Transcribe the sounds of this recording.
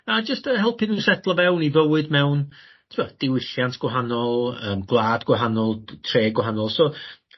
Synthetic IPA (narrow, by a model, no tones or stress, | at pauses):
ad͡ʒəstəhɛlˠpʰɨnusɛtʰlˠvɛwnivəwɨdmɛwn | tʰɪbad̥ɪwɪɬjantʰɡ̥wɛɦanɔlˠəːmɡlˠaːdɡwɛɦanɔlˠtʰreːɡwɔɦanɔlˠsɔ